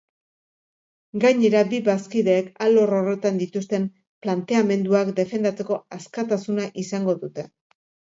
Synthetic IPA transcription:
ɡaɲe̞ɾabiβaskiðe̞ːkalo̞ro̞re̞t̪and̪it̪ust̪e̞m | plant̪e̞ame̞nd̪uakd̪e̞fe̞nd̪at͡se̞ko̞askat̪asunaʔisaŋɡo̞ðut̪e̞

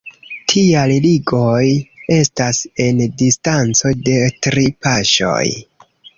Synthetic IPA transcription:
tʰialliɡo̞je̞stase̞ndistant͡so̞de̞tɾipaʃo̞̰j

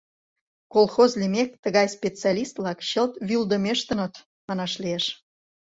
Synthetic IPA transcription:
kolˠxozlimek̚t̪əɣɑjspʲet͡seɑlʲist̪vlɑkɕəlt̪βyld̪əmeʃt̪ə̆nət̪ | mɑnɑʃlieʃ

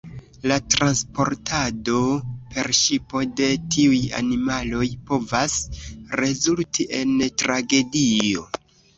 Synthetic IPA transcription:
latɾanspo̞̰ɾtʰado̞pe̞ɾʃipo̞de̞tʰiuja̰nimalo̞jpo̞vasɾe̞zultʰiʔe̞ntɾaɡe̞dio̞̰

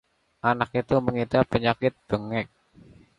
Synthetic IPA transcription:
ʔanak̚it̪uməŋit̪apəɲakɪt̪̚b̥əŋɪk̚

